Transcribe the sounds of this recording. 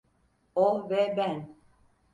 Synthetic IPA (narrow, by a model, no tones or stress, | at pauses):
ombɛbɛn